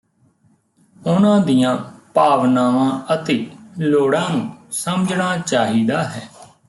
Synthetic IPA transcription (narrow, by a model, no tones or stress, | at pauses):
ʊnãːd̪ijãːpaːʋnaːʋãːət̪eːloːɽãːnũːsəməd͡ʒɳaːt͡ʃaːɦiːd̪aːɦɛː